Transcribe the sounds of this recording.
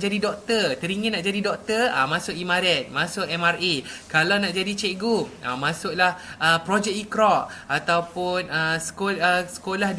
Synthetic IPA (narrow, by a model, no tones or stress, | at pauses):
d͡ʒadidɔk̚t̪ət̪əɾiŋənaʔd͡ʒadidɔk̚t̪əa̰mãsʊkimaɾɛt̪̚mãsʊʔɛmarekalawnaʔd͡ʒadit͡ʃɛʔɡua̰mãsʊʔ̚lahʔəpɾod͡ʒɛk̚ikɾɔʔat̪awpʊnəsə̥koəsə̥kolah